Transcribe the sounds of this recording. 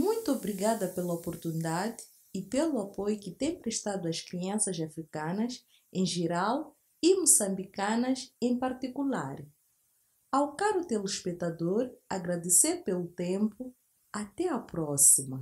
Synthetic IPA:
mũj̃t̪uobɾiɡad̪ɐpelɐopoɾt̪unid̪ad̪ɪ̥ | ipeluapojʊkɪt̪ẽj̃pɾeʃt̪ad̪ʊɐʃkɾiɐ̃sɐzafɾikɐ̃nɐz | ẽj̃ʒeɾaw | imusɐ̃mbikɐ̃nɐzẽj̃paɾt̪ikula̰ɾ | awkaɾut̪eluiʃpet̪ad̪oɾaɡɾad̪eseɾpelʊt̪ẽmpʊ | at̪ɛɐpɾɔsimɐ

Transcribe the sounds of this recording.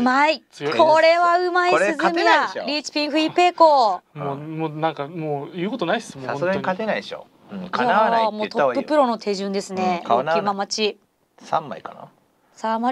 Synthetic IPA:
ɯmaikoɾe̞βaɯ̟maisɨzɨɨmʲijaaɾʲiːt͡ɕi̥pʲĩɰ̃ɸɯ̟ipe̞ːkomomoːnãŋkamoːjɯ̟ːko̞t̪onaismoasɡaɲikat̪enaiɕo̰ | ɯ̃ajaamo̞ːt̪opːɯ̟pːɯ̟ɾo̞no̞t̪ʰe̞ʑɨ̃nd̪e̞sɨne̞oimamat͡ɕi | sãmːa̰ikana̰ | sãma

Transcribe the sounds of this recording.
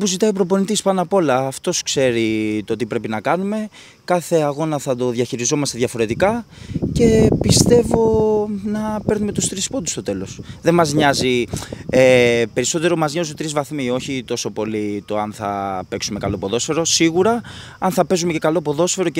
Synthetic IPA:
puzit̪ɐipɾo̞po̞nit̪ispɐnɐpo̞lɐːft̪o̞skse̞ɾit̪ot̪ipɾe̞pinɐkɐnume̞ | kɐθe̞ɐɣo̞nɐθɐt̪o̞ðʝɐçiɾizo̞mɐst̪e̞ðʝɐfo̞ɾe̞t̪ikɐce̞pist̪e̞vo̞nɐpe̞ɾnumet̪ust̪ɾispod̪u̥st̪o̞t̪e̞lo̞sðe̞mɐzɲɐziepeɾiso̞t̪e̞ɾo̞mɐzɲozut̪ɾizvɐθmio̞çit̪o̞so̞po̞lit̪o̞ɐnθɐ̰pe̞ksume̞kɐlo̞po̞ðo̞sfe̞ɾo̞siɣuɾɐ | ɐnθɐpe̞zumece̞kɐlo̞po̞ðo̞sfe̞ɾo̞

